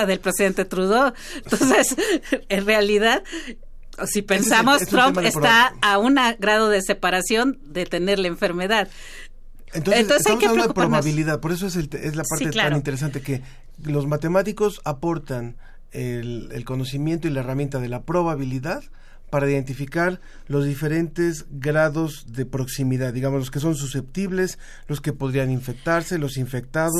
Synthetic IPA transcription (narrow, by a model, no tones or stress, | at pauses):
aðelpɾe̞siðe̞nt̪et̪ɾuðo | nt̪onsesenrealiðað | sipensamosst̪ɾommpest̪aːunaɣɾað̞o̞ðe̞se̞paɾasjo̞n | d̪e̞t̪e̞ne̞ɾlaeɱfe̞ɾme̞ðað | ent̪oensonssamokealaɾod̪okupɾaoβaβiliðaðpo̞ɾe̞s̬oes̬elt̪eezlapaɾt̪eklaaɾnint̪e̞ɾes̬ant̪eke | lo̞zmat̪e̞mat̪iko̞sapo̞ɾt̪an | elḛlko̞no̞simje̞nt̪o̞ilaeramje̞nt̪aðe̞lapɾo̞βaβiliðað | paɾaiðe̞nt̪̬ifikaɾ | lo̞zðife̞ɾe̞nt̪e̞zɣɾaðo̞z | ðe̞pɾo̞ksimiðaðːiɣamolo̞s̬ke̞s̬o̞ns̬use̞p̚t̪iβle̞s | lo̞ske̞po̞ðɾianiɱfe̞k̚t̪aɾse̞lo̞siɱfe̞k̚t̪aðos